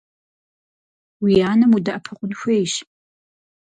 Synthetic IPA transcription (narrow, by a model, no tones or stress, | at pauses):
wijaːnɐmudɐʔɐpʰɨqʷʼʊnxʷejʃ